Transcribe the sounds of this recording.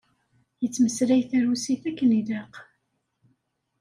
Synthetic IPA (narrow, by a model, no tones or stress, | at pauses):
jət͡sːməsɾæjθæɾusiθækːənid̪aq